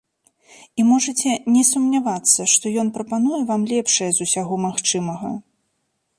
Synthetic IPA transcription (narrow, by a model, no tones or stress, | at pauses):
imɔʐɐt͡sʲɛnʲɛsumnʲavat̪sːɐʂt̪ɔjɔn̪pɾɐpanujɛvamlʲɛpʂɐjɛzusʲaɣɔmaxt͡ʂɨmɐɣɐ̰